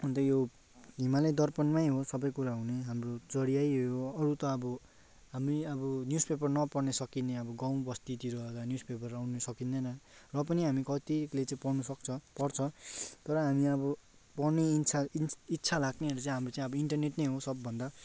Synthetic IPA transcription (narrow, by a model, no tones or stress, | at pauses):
ʌnt̪ʌjo | ɦimaled̪ʌrpʌnmajɦosʌbʌjkuɾaɦuneɦamrot͡sʌɽijajɦjoʌɾut̪ʌːbʌ | ɦamriʌbʌnjuspep̬ʌrnʌpʌrnesʌkineʌbʌɡaw̃bʌst̪it̪iɾʌekanjuspepʌrawnʌsʌkind̪ʌnʌrʌpʌniɦamikʌt̪ilet͡saĩpʌrnʌsʌkt͡sʰʌpʌrt͡sʰʌt̪ʌɾʌɦamiʌbʌ | pʌrnet͡sʰaitːt͡sʰalaɡneɦʌɾut͡saĩɦamrot͡saĩʌbʌiɳʈʌrneʈnʌjɦosʌbːʌnd̪a